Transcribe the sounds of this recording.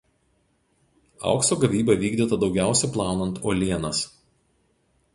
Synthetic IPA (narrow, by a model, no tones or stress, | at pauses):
ɑ̰ˑʊksoːɡɐʋʲiːbɐʋʲiːɡd̪ʲiːt̪ɐd̪ɒʊɡʲæˑʊsʲɛplˠɑˑːnɐnt̪oːlʲiɛnɐs